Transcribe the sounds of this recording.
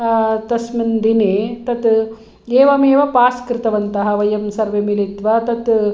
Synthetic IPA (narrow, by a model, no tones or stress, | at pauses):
t̪ɐsmind̪ineːt̪ɐt̪ | eːʋɐmeːʋɐpaːskɾɪt̪ɐʋɐnt̪ɐɦɐʋɐjɐmsɐɾʋemilit̪ʋɐt̪ɐt̪